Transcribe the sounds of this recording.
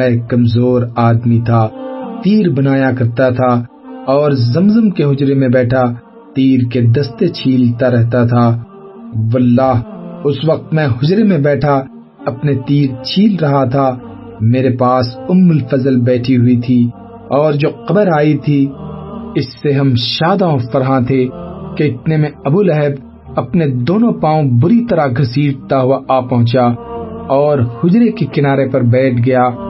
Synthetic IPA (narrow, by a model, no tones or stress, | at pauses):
ɛ̃kɐmzoːɾaːd̪mit̪ʰat̪iːɾbɐnaːjakɐɾt̪at̪ʰa | ɔːɾzɐmzəmkeɦʊd͡ʒɾemẽbɛːʈʰa | t̪iːɾked̪ɐst̪et͡ʃʰiːlt̪aɾɛɦt̪at̪ʰaː | wɐlːaːɦʊsʋɐq̚t̪mɛ̃ɦʊd͡ʒɾemẽbɛːʈʰa | ɐpnet̪iːɾt͡ʃʰiːlɾɐɦat̪ʰa | meːɾepaːsʊmːəlfɐzəlbɛːʈʰiɦʊit̪ʰi | ɔːɾd͡ʒoːqɐbəɾaːit̪ʰi | ɪsːeɦɐmʃaːd̪aõfɐɾɦãt̪ʰekeɪt̪nemẽɐbuːlɛɦəb | ɐpned̪oːnõpãːõbʊɾit̪ɐɾaɡʱɐsiːɾt̪aɦʊaʔaːpɐɦʊ̃t͡ʃaɔːɾhʊd͡ʒɾekekɪnaːɾepɐɾbɛːʈʰɡɐjaː